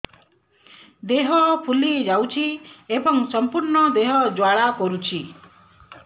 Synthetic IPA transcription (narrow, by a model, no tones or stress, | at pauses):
d̪eɦɔpʰulid͡ʒawt͡ʃʰiebɔŋsɔmpuɾɳɔd̪eɦɔd͡ʒwaɭakɔɾut͡ʃʰi